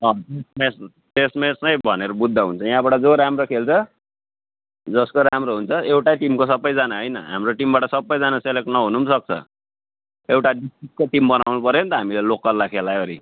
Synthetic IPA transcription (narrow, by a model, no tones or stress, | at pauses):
ʌt̪esmes | t̪esmesnʌjbʱʌneɾʌbud̪ʱːʌɦunt͡sʰʌjaɦãbaʈʌd͡zoɾamrokʰelt͡sʰʌ | d͡zʌskoɾamɾoɦunt͡sʰʌewʈaʈimkos̬ʌbʌjd͡zanaɦʌjnʌ̰ɦa̰mroʈimbaʈʌsʌbːʌjd͡zanaselek̚ʈnʌɦunumsʌk̚t͡sʰʌ̰ | ewʈaɖisʈik̚koʈimbʌnawnupʌɾjont̪ʌɦamilelokːʌrːakʰelaoɾi